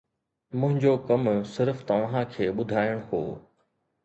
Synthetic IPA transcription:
mʊ̃ɦɪ̃ɲd͡ʑokɐmsɪɾft̪ɐʋãkʰeːɓʊd̪ʱaːɪəɽ̃ɦo̰ː

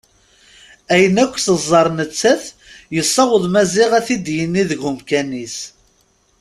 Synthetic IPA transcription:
æjənækʷːθəzˤːɑɾˤnət͡sːæθ | jəsˤːɑʁəðˤmæzɪʁæθid̪jənːiðəɣumkænis

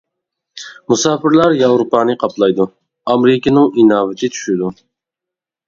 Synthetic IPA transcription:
musɑːpɪɾlˠɑɾjɑwɾupɑːnɨqʰɑplˠɑjd̪u | ɑmɾɪkʲɪnɨŋinɑːvɪt̪ʰɪtt͡ʃ̪ʰy̥ʃɪd̪u

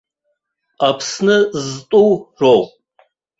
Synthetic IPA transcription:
apʰsnɨztʼuwʐow

